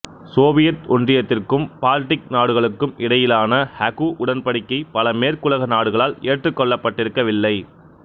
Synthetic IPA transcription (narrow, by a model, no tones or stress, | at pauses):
soːʋɪjɐt̪ɔndrɪjɐt̪ːɪrkɯmpaːlʈːɪk̚naːɽɯɣɐɭɯkːɯmɪɽɐjɪlaːnɐhɐkuʔʊɽɐnpɐɽɪkːɐɪpɐlɐmeːɾkʊlɐɣɐnaːɽɯɣɐɭaːleːʈrɯkːɔɭːɐpːɐʈːɪɾɯkːɐʋɪlːɐɪ